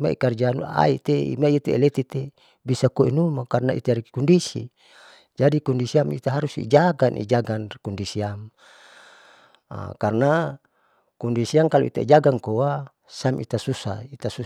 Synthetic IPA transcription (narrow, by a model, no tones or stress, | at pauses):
ma̰ḭkard͡ʒanṵa̰it̪eḭmait̪eelet̪it̪e | bisakoinumakarnaʔḭt̪eaɾikɔndisḭ | d͡ʒadikɔndisiamit̪aɦaɾusḭd͡ʒaɡanʔḭd͡ʒaɡankɔndisiam | karna | kɔndisiaŋkaloit̪aid͡ʒaɡaŋkowa | samʔḭt̪asusa̰it̪asu